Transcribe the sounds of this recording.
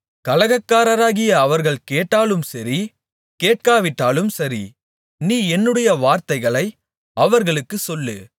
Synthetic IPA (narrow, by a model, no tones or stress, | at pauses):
kɐlɐɣɐkːaːɾɐɾaːɣɪjɐːʋɐɾɣɐɭkeːʈːaːlɯmsɐɾi | keːʈ̚kaːʋɪʈːaːlɯmsɐɾḭ | niːɛnːɯɽɐjɐʋaːɾt̪ɐɪɣɐɭɐɪ | ɐʋɐɾɣɐɭɯkːɯsɔlːɯ̰